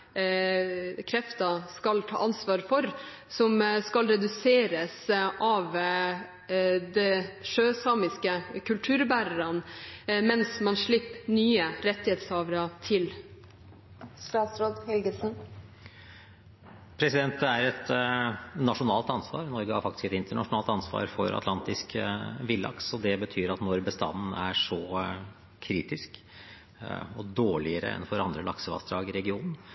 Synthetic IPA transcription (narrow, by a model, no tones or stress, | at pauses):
kʰɾɛft̪ɑskɑlt̪ʰɑ̰ːʔɑnsʋɑːɾfɔɾ | sɔmskɑlɾɛd̪ʉseːɾəsʔɑʋ | d̪ɛʂøːsɑːmɪskəkʰʉlt̪ʰʉːɾbæːɾəɾɑnmɛnsmɑnʂɭɪpːnyːəɾɛt̪ːɪheːt̪sɑːʋɾɑt̪ʰɪl | st̪ɑːt̪sɾoːd̪hɛlɡəsn̩ | pʰɾɛsɪd̪ɛnt̪̚d̪əæɾɛt̪ | nɑʂʊnɑːlt̪ɑnsʋɑ̰ːɾnɔɾɡəhɑɾfɑkt̪ɪ̥skɛt̪ɪnt̪əɳɑʂʊnɑːlt̪ɑnsʋɑ̰ːɾfɔ̰ɾɑ̰t̪ʰlɑnt̪ɪskʋɪlːɑ̰ksɔd̪ɛbət̪ʰyːɾɑt̪nɔɾbəst̪ɑ̰nn̩æʂɔ | kʰɾiːt̪ɪsk | ɔd̪oːɭɪəɾə̰ɛ̰nfɔɾɑnd̪ɾəlɑksəʋɑ̰sd̪ɾɑːɡɪɾɛɡɪuːnn̩